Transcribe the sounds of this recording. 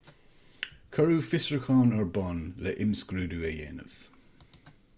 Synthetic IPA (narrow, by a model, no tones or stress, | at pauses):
kʰəɹuːfɪsɹəkʰɑːnəɹbɔnləʔɪmskɹuːduːɛjɛ̰ːnə̰v̥